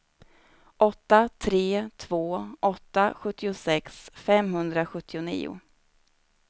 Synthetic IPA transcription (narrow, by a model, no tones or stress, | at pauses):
ʔɔt̪ːat̪ʰɾeːt̪ʰvoːʔɔt̪ːaɧɵt̪ːɪʊsɛksfɛmhɵnd̪ɾaɧɵt̪ʰːɪʊnḭːʊ̰